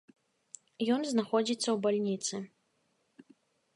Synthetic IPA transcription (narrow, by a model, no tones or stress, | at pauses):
jɔnznaxɔd͡zʲit̪sːɐwbalʲnʲit̪sɨ